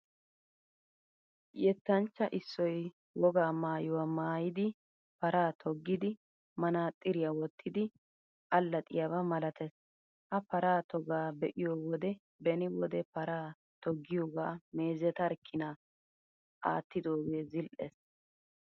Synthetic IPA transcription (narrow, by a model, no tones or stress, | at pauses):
jɛt̪ːɐnt͡ʃːɐʔɪsːɔj | wɔɡaːmaːjʊwamaːjɪd̪ɪ | pɐɾaːt̪ʰɔɡːɪd̪ɪ | mɐnaːt̪ʼːɪɾɪjawɔt̪ʰːɪd̪ɪ | ʔɐlːɐt̪ʼɪ̰jɐbɐmɐlɐt̪ɛs | ʔɐpɐɾaːt̪ɔɡaːbɛʔɪjoːwɔd̪ɛ | bɛnɪwɔd̪ɛpɐɾaː | t̪ɔɡːɪjoːɡaːmeːzɛt̪ɐɾkʰːɪna | ʔa̰ːt̪ːɪd̪oːɡeːzɪlʔḛs